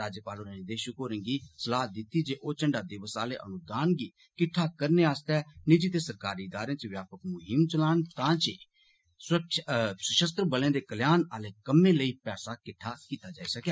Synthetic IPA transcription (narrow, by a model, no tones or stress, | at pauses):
aːd͡ʒəpaːloːɾə̃nĩd̪eːʃʊkoːɾə̃ŋɡiːsəlaːd̪ɪt̪ːiːd͡ʒeːʔoːt͡ʃəɳɖaːd̪ɪʋəsaːleːʔə̰nʊd̪aːnɡiː | kɪʈʰːaːkəɾneːaːst̪ɛːnɪd͡ʒiːt̪eːsəɾkaːɾiːɪd̪aːɾẽːt͡ʃəʋjaːpəkmʊɦɪmt͡ʃəlaːnt̪ãːt͡ʃː | sʊɾəkʃsəʃəst̪ɾəbəlẽːd̪eːkəljaːnaːleːkəmẽːləiːpɛːsaːkɪʈʰːaːkiːt̪aːd͡ʒaːiːsəkaː